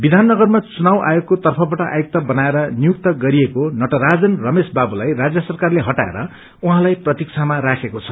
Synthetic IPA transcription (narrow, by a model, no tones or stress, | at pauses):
bid̪ʱanːʌɡʌrmat͡sunawʔa̰joɡ̚kot̪ʌrpʰʌbaʈʌʔa̰juk̚t̪ʌbʌnaeɾʌnijuk̚t̪ʌɡʌɾiekonʌʈʌɾad͡zʌnrʌmesbabulajrad͡zjʌsʌrkarleɦʌʈaḛɾʌ | uɦãlajprʌt̪ikt͡sʰamaɾakʰekot͡sʰʌ̥